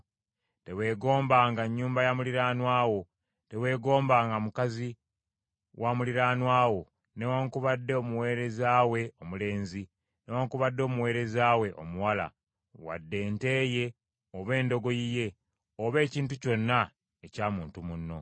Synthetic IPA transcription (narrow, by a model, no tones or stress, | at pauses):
te̞we̞ːɡo̞ːmbaːŋɡaɲːuːmbajamuliɾaːnwaːwo̞ | te̞we̞ːɡo̞ːmbaːŋɡamukazi | wʔamuliɾaːnwaːwo̞ | ne̞waŋkuβadːeomuwe̞ːɾe̞zaːwe̞o̞mule̞ːnzi | ne̞waŋkuβadːo̞ːmuwe̞ːɾe̞zaːwe̞ʔo̰muwala̰ | wa̰dːe̞ːnte̞ːje̞ | oβe̞ːndo̞ɡo̞jije̞ | oβe̞ːciːntuco̞nːa | ecaːmuːntumunːo̞̰